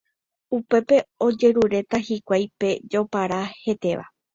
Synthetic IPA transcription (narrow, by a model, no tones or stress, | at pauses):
upe̞pe̞o̞d͡ʒe̞ɾuɾe̞t̪ahikʷajpe̞d͡ʒo̞paɾahe̞t̪e̞ʋa̰